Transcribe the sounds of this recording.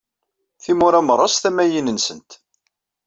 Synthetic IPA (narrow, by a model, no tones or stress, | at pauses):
θimʊɾæməɾˤːɑsθæmæjinənsənt̪